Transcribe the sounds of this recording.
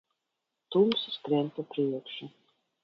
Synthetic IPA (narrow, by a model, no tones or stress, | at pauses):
t̪umsiskɾɛnt̪apɾiɛkʃu